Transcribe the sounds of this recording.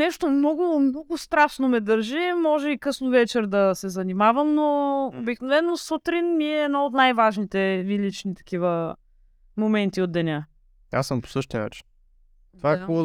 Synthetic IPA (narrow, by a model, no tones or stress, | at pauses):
nɛʃt̪omnɔɡʊmnɔɡʊst̪ɾaʃnomɛd̪əɾʒimɔʒɛikɤsnovɛt͡ʃɛɾd̪ɐsɛzɐnimavɐmnoo̰biknovɛnːosot̪ɾinmiɛːd̪naot̪najvaʒnit̪ɛvilit͡ʃnit̪ɐ̥kivə | momɛnt̪iod̪d̪ːɛnʲa | a̰səmpsɤʃt̪ɛna̰t͡ʃ | t̪vakɔ